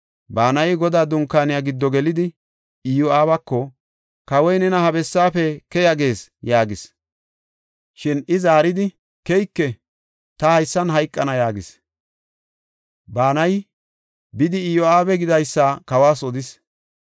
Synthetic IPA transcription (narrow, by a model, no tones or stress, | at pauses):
baːnɐjɡɔd̪aːd̪ʊŋkːaːnɪjaɡɪd̪ːɔɡɛlɪd̪ɪ | ɪjɔaːβɐkːɔ | kɐwɔjnɛnɐhɐbɛsːaːfɛkɛjɐɡe̞ːsjaːɡɪs | ʃɪnɪzaːɾɪd̪ɪ | kɛjkːɛ | t̪ɐhɐjsːɐnɦɐjkʼːɐnɐjaːɡɪs | baːnɐj | bɪd̪ɪɪjɔaːbɛɡɪd̪ɐjsːaːkɐwaːsɔd̪ɪs